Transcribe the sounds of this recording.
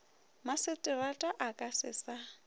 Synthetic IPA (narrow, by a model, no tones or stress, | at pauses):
masɪtʼɪβatʼaʔakʼasɪ̰sa